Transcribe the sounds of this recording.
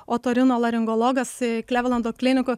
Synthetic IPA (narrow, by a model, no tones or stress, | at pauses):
oːt̪oːɾʲɪnoːlˠɐɾʲɪŋɡolˠoːɡɐskʲlʲæːʋʲlˠɐnd̪oːklʲɪnʲɪkʊ